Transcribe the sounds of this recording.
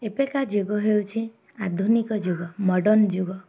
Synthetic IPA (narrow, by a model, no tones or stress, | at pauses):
epekad͡ʒoɡɔɦewt͡ʃʰi | ad̪ʱunikɔd͡ʒuɡɔmɔɖɔnd͡ʒuɡɔ